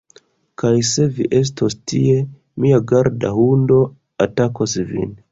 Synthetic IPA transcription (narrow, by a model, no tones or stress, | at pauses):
kajse̞viʔe̞s̬tostie̞ | miaɡaɾdahundo̞ | atakosvḭn